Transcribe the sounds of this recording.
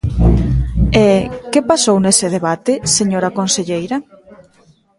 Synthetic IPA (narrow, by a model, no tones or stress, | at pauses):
ekepasownesɪðeβat̪ɪseɲoɾɐkonseʎejɾɐ